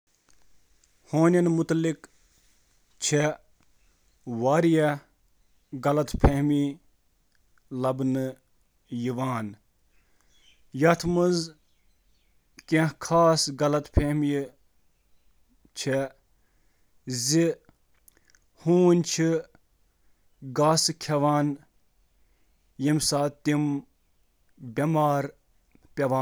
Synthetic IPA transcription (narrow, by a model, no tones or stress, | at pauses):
hoːnʲɐnmut̪lik | t͡ʃʰe | ʋaːɾijɐ | ɡɐlɐt̪pʰehmi | lɐbnɨ | jiʋaːn | jɐt̪ʰmɨz | kẽhkʰaːsɡɐlɐt̪pʰehmji | t͡ʃʰe | zi | huːnʲt͡ʃʰi | ɡaːsɨkʰɐʋaːn | jimsaːt̪im | bʲɐmaːɾ | pʲɐʋaː